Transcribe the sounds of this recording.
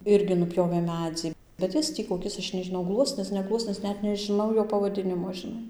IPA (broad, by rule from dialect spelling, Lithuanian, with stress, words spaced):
ˈɪrʲɡʲɪ nʊˈpʲjoːʋʲeː ˈmʲæːd͡zʲɪ bʲɛt ˈjɪs tʲiː koːˈkʲɪs ˈɐʃ nʲɛʒʲɪˈnɐʊ ˈɡlˠuɔsʲnʲɪs nʲɛ ˈɡlˠuɔsʲnʲɪs ˈnʲɛt nʲɛʒʲɪˈnɐʊ ˈjoː pɐʋɐˈdʲɪnʲɪmoː ʒʲɪˈnɐɪ